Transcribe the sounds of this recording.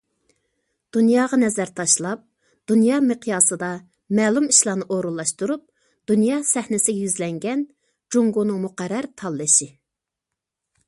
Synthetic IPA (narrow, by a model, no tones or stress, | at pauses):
d̪̥unjɑːʁɑnɛzæɾt̪ʰɑʃlˠɑp̚ | d̪̥unjɑːmeqʰijɑːsɨd̪ɑ | mɛːlˠumiʃlˠɑːnɨʔoɾulˠːɑʃt̪uɾup̚ | d̪̥unjɑːsɛhnɪsɪɡʲɛjyzlɛŋɡʲɛn | d͡ʒuŋɡonɨŋmuqæɾːæɾt̪ʰɑlˠːɨʃi